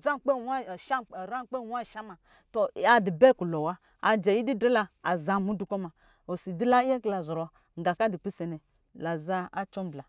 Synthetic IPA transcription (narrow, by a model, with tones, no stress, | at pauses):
d͡za˦˨k͡pe˦wa˦˨ʃa˦˨ɾa˦k͡pe˦˨wa˦˨ʃa˦ma˨ | to˨a˨di˨be˦ku˨lo˨wa˦ | a˨d͡ʒa˨ji˦di˦dɾe˦la˧a˨za˨mu˨˦du˨ko˦ma˨ | o˨si˨di˦la˦e˦kla˨zɔ˨ɾo˨ | ŋ̩˨ɡa˨ka˦di˨k͡pi˦se˨nɛ˨ | la˨za˦a˦t͡ʃɔ˦m˦bla˨